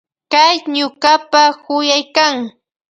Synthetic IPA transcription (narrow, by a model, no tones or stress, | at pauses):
kajɲʊɢapahʊjajkaŋ